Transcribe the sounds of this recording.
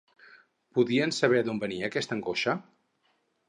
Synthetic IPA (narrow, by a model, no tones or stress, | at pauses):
puðiənsəβ̞ɛðombəniəːkɛst̪əŋɡoʃə